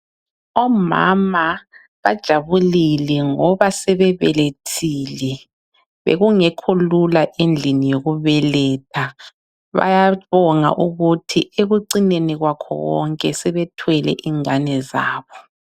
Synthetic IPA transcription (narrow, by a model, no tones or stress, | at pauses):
ɔma̰ma | βad̥ʒ̥ʱaβulilɛŋɔβasɛβɛβɛletʰiːlɛ | βḛɣuŋɛkʰululaʔend͡ɮʱinijoɣuβɛlɛtʰa | βa̰jaβɔŋa̰ʔuɣutʰieɣuǀineniɣwakʰɔ̰ɣwɔ̰ŋkʼɛsɛβɛtʰwɛlɛ̰ʔiŋanɛza̰ːβɔ